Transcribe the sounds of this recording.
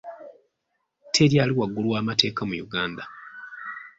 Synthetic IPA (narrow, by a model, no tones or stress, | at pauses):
tʰe̞ɾjaːliwaɡːulwaːmate̞ːkamujuɡaːnda